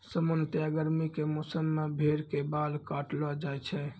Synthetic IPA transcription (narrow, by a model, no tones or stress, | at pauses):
səmont̪jaɡəɾmikemɔsəmːebʱeɾkebalkaʈlɔd͡ʒajt͡ʃʰɛ